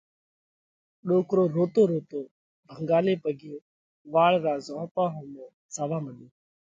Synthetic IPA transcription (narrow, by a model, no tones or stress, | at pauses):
ɗoːkɾoːɾoːt̪oːɾoːt̪oː | bʱəŋɡaːleːpəɡʱɪjõː | ʋaːɭɾaːzõːpaːɦõːmẽː | saːʋaːməɗiː